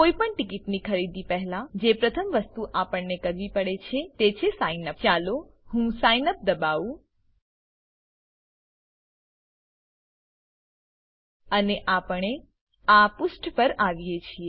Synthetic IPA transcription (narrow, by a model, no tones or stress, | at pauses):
koipəɳʈikiʈnikʰəɾid̪ipɛɦlad͡ʒepɾət̪ʰəmʋəst̪uʔapəɳnekəɾʋipəɽet͡ʃʰet̪et͡ʃʰesainəpt͡ʃalohũsajnəp̚d̪əbaʋũ | əneʔapəɳe | apʊsʈpəɾaʋjet͡ʃʰie